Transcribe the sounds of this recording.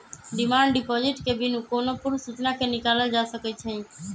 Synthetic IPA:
ɖɪmaːɳɖɖɪpɔːd͡ʒɪʈkebʱinũkoːnopʊɾsut͡ʃnakenɪkaːləld͡ʒaːsəkɛt͡ʃʰəĩ

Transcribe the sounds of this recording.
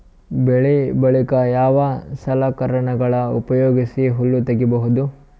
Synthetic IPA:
beɭibɐɭikɐjaːʋɐsɐlakɐɾɐɳɐɡɐɭɐṵpɐjoːɡisiɦulːut̪ɐɡibɐɦud̪u

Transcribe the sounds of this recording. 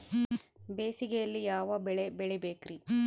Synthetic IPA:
beːsiɡejɐlːijaːʋɐbɛɭebɛɭɛbeːkɾi

